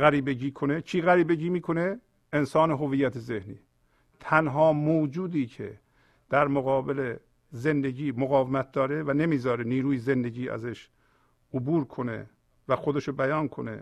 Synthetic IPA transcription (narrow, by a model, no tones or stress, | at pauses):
ɣæɾiːbeɟiːkʰonet͡ʃʰiːɣæɾiːbeɟiːmiːkʰoneː | nsɒːneɦoviːjæt̪ʰezehnḭː | t̪ʰænɦɒːmoːd͡ʒuːd̪iːcʰḛ | d̪̥æɾmoɣɒːbele | ze̞nd̪eɟiːmoɣɒːvemæt̪̚d̪ɒːɾevænemiːzɒːɾeniːɾuːjezend̪eɟiːʔæ̰zeʃ | ʔobuːɾkʰo̞nḛ | væxo̞d̪eʃobæjɒːnkʰo̞̰nḛ